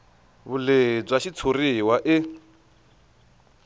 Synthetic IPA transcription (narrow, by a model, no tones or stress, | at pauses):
βuled͡zwaʃit͡sʰoɾiwaʔɪ